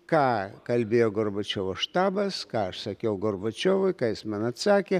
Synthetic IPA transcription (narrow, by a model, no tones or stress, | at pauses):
kɑːkɐlʲbʲeːjoːɡorbot͡ʃʲoːʋoːʃt̪ɑːbɐskɑːɐʃsɐkʲɛʊɡorbot͡ʃʲoːʋʊɪkɑːjɪsmɑnɐt̪sɑːkʲe